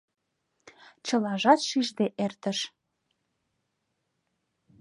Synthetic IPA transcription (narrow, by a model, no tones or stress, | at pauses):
t͡ɕə̆lɑʒɑt̪ʃiʒd̪eʔert̪ə̆ʃ